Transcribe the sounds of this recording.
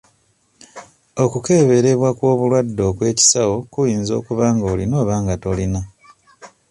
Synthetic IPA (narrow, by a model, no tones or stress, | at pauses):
o̞kuke̞ːβe̞ɾe̞βwakwo̞ːβulwadːo̞ːkwe̞ːci̥sawo̞kujiːnzo̞̰ːkuβaːŋɡoːlino̞ːβaːŋɡato̞lina